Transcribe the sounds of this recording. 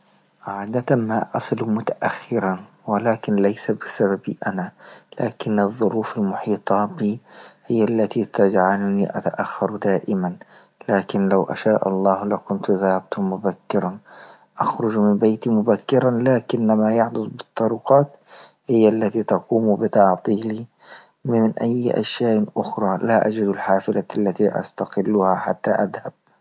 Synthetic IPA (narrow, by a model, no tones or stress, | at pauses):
ʕaːd̪at̪amaʔɑsˤɨlmʊt̪aʔaxːɪɾan | wɪlaːkɪnlajsabɪsaβabḭʔanalaːkɪnːɨðˤːʊɾuːfalmʊħiːt̪ˤɑbiːhɪjːalːat̪it̪ad͡ʒʕalʊnḭʔa̰t̪aʔaxːɑɾˤd̪aːʔɪman | laːkɪnlawʔa̰ʃaːʔɑ̰lˤːɑːhlakʊnt̪ðahab̚t̪ʊmʊbakːɪɾˤɑn | ʔɑxɾʊd͡ʒmɪmbejt̪imʊbakːɪɾˤɑlaːkɪnːamajɑħd̪ˤʊd̪ˤbɨt̪ˤːɑɾʊqɑːt̪hɪjːalːat̪it̪ɑquːmbɪt̪ɑʕt̪ˤiːli | mɪnʔajːʔa̰ʃjaːʔʔʊxɾˤɑːlaʔad͡ʒɪd̪alħaːfɪlaalːat̪iʔa̰st̪aqɪlːuhaħat̪ːaʔaðhab̥̚